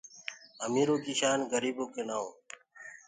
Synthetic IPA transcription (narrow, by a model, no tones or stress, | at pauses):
əmiːɾoːkiːʃaːnɡəɾiːboːkeːnaːõː